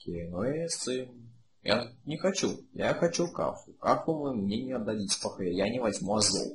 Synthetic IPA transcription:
kʲʰejnoesɨm | ja̰nʲɪxɐt͡ɕuja̰xɐt͡ɕuka̰fʊkafʊmɨmnʲenʲɪɐbd̪ɐlʲitʲpɐxojjanʲɪvɐzʲmuɐzo̰lˠ

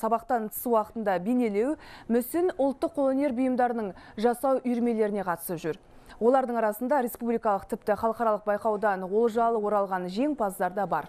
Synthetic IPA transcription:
sɑβɑqt̪ɑnt̪ʰə̥suwɑqət̪ənd̪ɑbene̞le̞wmʏsɪnʊlˠt̪ːəqʰːolˠone̞ɾbʊjəmd̪ɑɾənəɴʒɑsɑwʏjɾme̞le̞ɾɪne̞qʰɑt̪ə̥səpʒʏɾ | wo̞lˠɑɾd̪əɴɑɾɑsənd̪ɑɾʲe̞spublijkɑlˠəq̚t̪ʰɪp̚t̪ɪχɑlˠəqɑɾɑlˠəq̚bɑjqɑwd̪ɑnwo̞lˠʒɑlˠəwo̞ɾɑlˠʁɑnʒe̞ŋpʰɑzd̪ɑɾd̪ɑbɑ̰ɾ

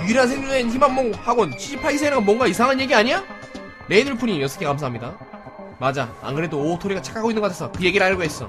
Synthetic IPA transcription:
iɾɦans̬ʰeŋɲunençimanmːoŋhaɡont͡ɕʰiɕʰipʰaɭisʰeneɡʌmwʌŋɡaisʰaŋɦanje̞ɡiaɲiɲa | ne̞inɯɭpʰuɲijʌs͈ʌkʰekams̬ʰaɦamɲida | mad͡ʑaa̰nɡɯɾedoːtʰoɾiɡat͡ɕʰḁk͈ʰaɡoinɯŋʌkatʰesʰʌkɯje̞ɡiɾɯɭaɭɡoɦes͈ʌ̰

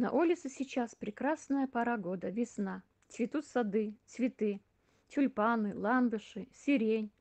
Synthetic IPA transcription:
nɐ̰ʔulʲɪt̪sɨsʲɪt͡ɕaspɾʲɪkɾasnəjəpɐɾaɡod̪əvʲɪsna | t͡sʲvʲɪt̪ut̪sɐd̪ɨsvʲɪt̪ɨ | tʲʊlʲpanɨlˠand̪ɨʂɨsʲɪɾʲenʲ

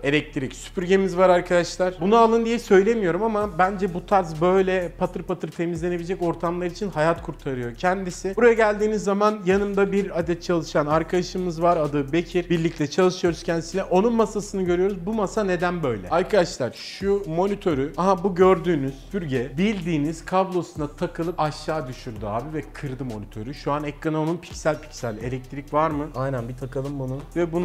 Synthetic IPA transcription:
e̞lʲɛc̚t̪ʰiɾicsy̥pyɾɟe̞mizvaɾaɾkʰad̪aʃlˠaɾ̥bunualˠɯnd̪ijɛsø̞jlʲe̞mijo̞ɾumamabænd͡ʒɛbut̪ʰaɾzbø̞jlʲɛpʰat̪ʰɯɾpat̪ʰɯɾt̪ʰe̞mizlʲe̞nebilʲid͡ʒɛco̞ɾt̪ʰamlˠaɾit͡ʃʰinhajat̪kʰuɾt̪ʰaɾɯjo̞cʰɛnd̪isɪbuɾajaɟælʲd̪iːnizːamanjanɯmd̪abiɾad̪ɛt̪̚t͡ʃʰalˠɯʃanaɾkʰad̪aʃɯmɯzvaɾad̪ɯbe̞cʰiɾbiɾlʲic̚t̪ʰɛt͡ʃʰalˠɯʃɯjo̞ɾuz̥cʰɛnd̪isinʲɛʔo̞nunmasasɯnɯɟøɾyjo̞ɾuzbumasane̞d̪ænbø̞jlʲɛ̰aɾkʰad̪aʃlˠaɾʃumo̞nit̪ʰo̞ɾyaɦabuɟø̞ɾd̪yːnyz̥fʰyɾɟɛbilʲd̪iːniz̥kʰablˠo̞sunat̪ʰakʰɯlˠɯpaʃːaːd̪yʃyɾd̪ya̰ːbivɛkʰɯɾd̪ɯmo̞nit̪ʰø̞̰ɾyʃuanɛkːanaonunpʰi̥csælʲpʰi̥csælʲe̞̰lʲɛc̚t̪ʰɾicvaɾmɯajnænbit̪ʰakʰɯlˠɯmbununvɛbun

